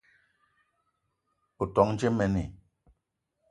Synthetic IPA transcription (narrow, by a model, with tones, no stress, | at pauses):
u˨tɔ˨˦ŋn̩˦d͡ʒe˦mɛ˨ni˨